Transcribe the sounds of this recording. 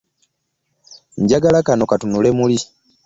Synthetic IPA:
ɲɟaɡalakano̞katunule̞muli

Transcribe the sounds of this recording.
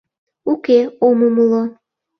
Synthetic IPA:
ukeoməmlo

